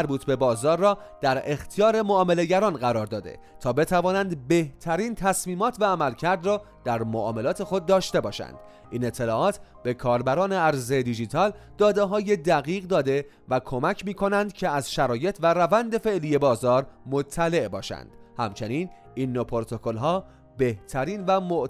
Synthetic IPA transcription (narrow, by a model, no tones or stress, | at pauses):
æɾbuːt̪ʰbe̞bɒːzɒːɾːɒːd̪̥æɾe̞xt̪ʰijɒːɾe̞moːme̞le̞ɟæɾɒːnɢæɾɒːɾd̪ɒːd̪ḛt̪ʰɒːbe̞t̪ʰævɒːnænd̪be̞ht̪ʰæɾiːnt̪ʰæsmiːmɒːt̪ʰvæːmælcʰæɾd̪rɒː | d̪̥æɾmoʔɒːmelɒːt̪ʰe̞xo̞d̪̚ːɒːʃt̪e̞bɒːʃæ̰nd̪̥ | ʔiːne̞t̪ʰːe̞lɒːʔɒːt̪ʰb̥e̞kʰɒːɾbæɾɒːneæɾzed̪id͡ʒit̪ʰɒːld̪̥ɒːd̪eɦɒːje̞d̪æɣiːɣd̪ɒːd̪e̞ | vækʰo̞mæcʰmiːkʰo̞nænd̪cʰeæzʃæɾɒːje̞t̪ʰvæɾævænd̪e̞fe̞ʔliːje̞bɒːzɒːɾmo̞t̪ʰːæle̞ʔbɒːʃæ̰nd̪̥hæ̰mt͡ʃʰe̞niːn | iːnːopʰoɾt̪ʰo̞kʰo̞lɦɒː | be̞ht̪ʰæɾiːnvæmoʔ